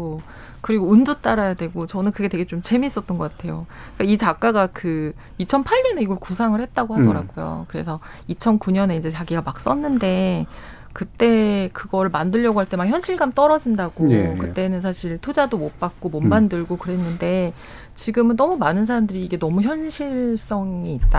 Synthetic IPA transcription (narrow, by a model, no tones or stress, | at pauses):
o | kɯɾiɡoundut͈aɾajadwe̞ɡot͡ɕʌnɯnkɯɡe̞we̞ɡe̞t͡ɕomt͡ɕe̞miːs͈ʌt͈̚ʌnɡʌk͈atʰe̞jo | k͈ait͡ɕak͈aɡakɯ | it͡ɕʰʌnpʰaɭɲʌne̞iɡʌɭkusʰaŋɯɭhe̞t̚t͈aɡohadʌɾaɡojo̰kɯɾe̞sʰʌ | it͡ɕʰʌnkuɲʌne̞ind͡ʑe̞t͡ɕaɡiɡamak̚s͈ʌnːɯnde̞ | kɯt͈e̞kɯɡʌɾɯɭmandɯʎːjʌɡoɦaɭt͈e̞makçjʌnɕʰiɭɡamt͈ʌɾʌd͡ʑindaɡ̥okɯt͈e̞nɯnsʰaɕʰiɭtʰod͡ʑadomop͈ak̚k͈omʌmmandɯɭɡokɯɾe̞nːɯnde̞ | t͡ɕiɡɯmɯnːʌmumanɯnsʰaɾamdɯɾiːɡe̞nʌmuçjʌnɕʰiɭs͈ʌŋiːt̚t͈a